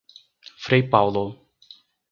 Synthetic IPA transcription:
fɾejpawlo

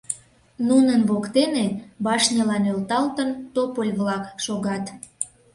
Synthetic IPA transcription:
nunənβokt̪enebɑʃnʲəlɑnølt̪ɑlt̪ənt̪opəlʲβlɑkʃoɣɑt̪

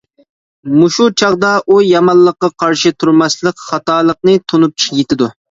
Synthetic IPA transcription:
muʃut͡ʃʰɑʁd̪ɑʔujɑmɑllˠːəqːɑqʰɑɾʃɪt̪ʰuɾmɑslˠəqχɑt̪ɑːlˠəqnɨt̪ʰonup̚t͡ʃʰjet̪ɪd̪u

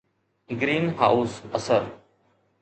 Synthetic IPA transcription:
ɡɾiːnɦaːuːsəsəɾ

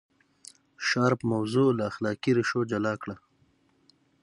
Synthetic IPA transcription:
ʃɑːɾpəmawzolaːxlɑːkiɾɪʃod͡ʒalɑːkɽa

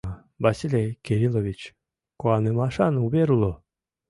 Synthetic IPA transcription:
basʲilʲejkʲeɾʲilˠovʲit͡ɕ | koanɨmaʃanubeɾulˠo

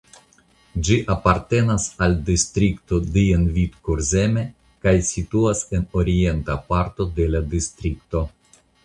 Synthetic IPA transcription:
d͡ʒiʔapaɾte̞nasaldistɾikto̞dienvitkuɾze̞me̞ | kajsituase̞no̞ɾie̞ntapaɾto̞de̞ladist̪ɾik̚to̞

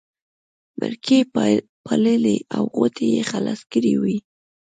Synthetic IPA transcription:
məɾkʰe | pʰaləleʔawɣot̪ʰejexalaskəɾiwi

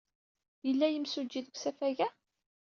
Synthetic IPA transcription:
jəlːæjəmsud͡ʒːiðəkʷsæfæʝæ

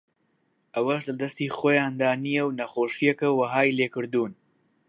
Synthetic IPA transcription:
ʔɐwɐʃlɐd̪ɐst̪iːxoːjaːnd̪aːnijɛwnɐχoːʃijɛkɐwɐɦaːjleːkɨɾd̪uːn

